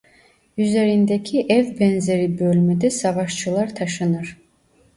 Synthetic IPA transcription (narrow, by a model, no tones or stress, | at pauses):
yzeɾind̪ɛkʰiʔɛvbɛnzeɾibølʲmɛd̪ɛsavɑʃt͡ʃʰɯlˠaɾt̪ʰaʃɯnɯɾ̥